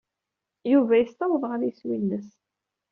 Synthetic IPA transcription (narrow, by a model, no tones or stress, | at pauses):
juvæjəst̪ɑwðˤʁaðjswinːəs